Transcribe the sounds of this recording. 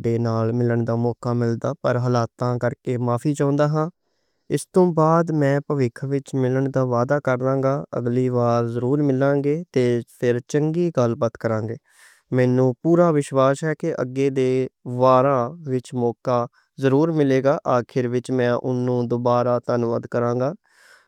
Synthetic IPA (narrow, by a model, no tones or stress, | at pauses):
ɖeːnaːlmɪləɳd̪aːmɔːkaːmɪld̪aːpəɾɦəlaːt̪ãːkəɾkeːmaːpʰiːt͡ʃãːnd̪aːɦãː | ɪst̪õːbaːd̪mɛ̃ːpəʋɪkʰʋɪt͡ʃmɪləɳd̪aːʋaːd̪aːkəɾd̪ãːŋɡaːə̰ɡliːʋaːɾzəɾuːɾmɪlãːɡeːt̪eːpʰɪɾt͡ʃəŋɡiːɡəlpət̪kəɾãːŋɡeː | mɛːnũːpuːɾaːʋɪʃʋaːsɦɛːkɪʔə̰ɡːeːd̪eːʋaːɾãːʋɪt͡ʃmɔːkaː | zəɾuːɾmɪleːɡaːʔaːkʰɪɾʋɪt͡ʃmɛ̃ːʔʊ̰nːũːd̪ʊbaːɾaːt̪ənʋəd̪kəɾãːɡaː